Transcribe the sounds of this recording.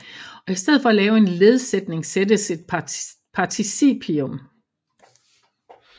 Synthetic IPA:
ɒ̽isd̥eð̰̩ˠfɒ̽ælɛːʊe̝nle̝ð̞ˠsed̥ne̝ŋsed̥əse̝d̥̚pʰɑ̈t͡sʰisḭpʰiom

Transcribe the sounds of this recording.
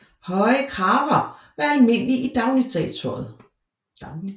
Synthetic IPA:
hɒɪəkʰʁɑ̈ːʋɐʋæælme̝n̰liʔid̥ɑ̈ʊlit͡sʰɛ̰t͡sʰɔð̩ˠ

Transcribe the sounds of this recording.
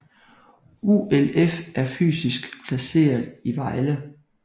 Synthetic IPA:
uelefʔæɐfy̰ːsisɡ̥pʰlæse̝̰ːɐðˠiʋɑ̈ɪlə

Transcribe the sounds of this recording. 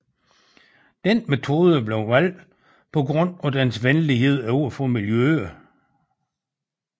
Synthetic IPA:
d̥enme̝t͡sʰo̝ːð̞ˠəb̥le̝ʊʋæl̰d̥ | pʰɒ̽ɡ̥ʁɔ̽n̰ɒd̥ænsʋenliɦe̝ð̞̰ˠæuɐfɔ̽miljøɐ

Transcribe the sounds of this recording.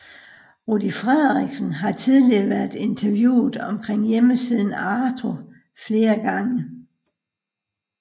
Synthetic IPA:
ʁud̥ifʁɛð̰ˠʁiɡ̥sən̩ɦɑ̈t͡sʰið̞ˠliɐʋæɐðˠe̝nt͡sʰɐʋjṵːð̩ˠɒ̽mkʰʁeŋ̰jeməsið̞̰ˠn̩ɑːt͡sʰo̝ | fle̝ːɐɡ̥ɑ̈ŋə

